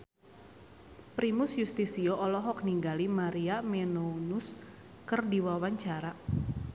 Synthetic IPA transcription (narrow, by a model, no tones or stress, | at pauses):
pɾimʊsjust̪isioʔɔlɔɦɔk̚niŋɡalimaɾiamenounʊs | kərdiwawaɲt͡ʃaɾa